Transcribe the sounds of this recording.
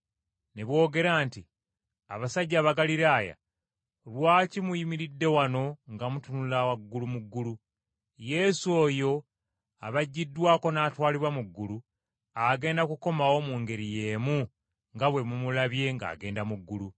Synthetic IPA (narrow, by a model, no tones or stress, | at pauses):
neβwo̞ːɡe̞ɾaːnti | a̰βasaɟːaːβaɡaliɾaːja̰ | lwaːcimujimiɾidːe̞wano̞ŋɡamutunulawaɡːulumuɡːulu | je̞suoːjo̞ | a̰βaɟːidːwaːko̞naːtwaːliβwamuɡːulu | aɡe̞ːndakuko̞mawo̞muːŋɡe̞ɾije̞ːmu | ŋɡaβwe̞mumulaβje̞ŋɡa̰ːɡe̞ːndamuɡːulu